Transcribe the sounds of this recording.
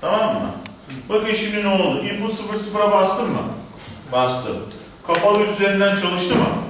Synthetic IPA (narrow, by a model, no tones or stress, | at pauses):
t̪ʰamamːa̰ | bɯpʰeʃimnino̞lˠd̪uʔipʰusɯfɯɾsɯfɾabast̪ʰɯmːɯ̰ | bast̪ʰɯ̰m | kʰapalˠɯyze̞ɾind̪ænt͡ʃʰalˠɯʃt̪ʰɯmɯ̰